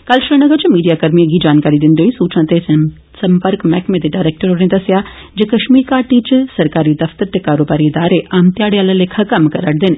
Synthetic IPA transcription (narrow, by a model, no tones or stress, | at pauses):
kəlʃɾinɐɡəɾt͡ʃmiːɖijaːkɐɾmieɡid͡ʒaːnkaːɾid̪ɪnd̪iɦoisuːt͡ʃãt̪e | sɐmpəɾkmɛːkmẽd̪eɖaːɪɾeːk̚ʈəɾɦoːɽẽd̪ɐsjaː | d͡ʒekɐʃmiːɾkaːɾʈit͡ʃsɐɾkaːɾid̪ɐft̪əɾt̪ekaːɾoːbaːɾiɪd̪aːɾeʔaːmt̪jaːɽejaːlalekʰakɐmkɐɾəʈd̪ɪn